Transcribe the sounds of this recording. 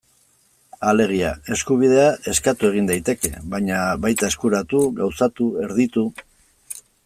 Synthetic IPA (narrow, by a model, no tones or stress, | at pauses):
ale̞ɣ̞iae̞skuβ̞ið̞e̞ae̞skat̪ue̞ɣ̞ind̪ajt̪e̞ke̞̰βaɲaβajt̪ae̞skuɾat̪uɣawsat̪ue̞ɾðit̪u